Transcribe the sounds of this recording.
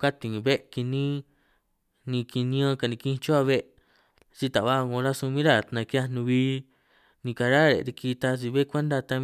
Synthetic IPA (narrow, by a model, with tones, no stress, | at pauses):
ka˦t̪i˨ŋĩ˨βe˦ʔki˧nĩ˦ | nĩ˧ki˧nĩ˧˦ã˦˧ka˧˨nĩ˧kĩ˦˧t͡ʃo˦a˧βe˦ʔ | t͡ʃi˧t̪a˨βa˦˧ŋõ˧ɾa˦su˧mĩ˦ɾa˦˨nã˧ki˧˦a˧nũ˧βiː˧˦ | nĩ˧ka˧ɾa˦˨ɾḛ˨˧ɾi˧ki˧t̪a˧t͡ʃi˧βe˦kʷe˦nd̪a˧t̪a˧